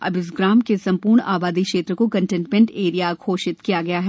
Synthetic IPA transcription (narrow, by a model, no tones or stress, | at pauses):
ɐ̰bɪs̬ɡɾaːmkesɐ̃mpuːɾɳa̰ːbaːd̪ikʃeːt̪ɾəkokɐ̃ɳʈɛ̃ɳʈmẽɳʈeːɾijakʰoːʃɪt̪kijaɡɐjaɦɛː